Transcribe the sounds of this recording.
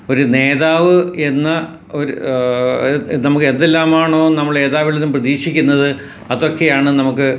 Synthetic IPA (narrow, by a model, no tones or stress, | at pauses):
o̞ɾune̞ːðaːʋɨe̞nːɐ | oɾ | nɐmukːɨend̪elːaːmaːɳo̞ːnɐmːɐɭe̞ːðaːʋilnumprɐðiːʂikʲːunːɐðɨ | ɐðo̞kːejaːɳɨnɐmukːɨ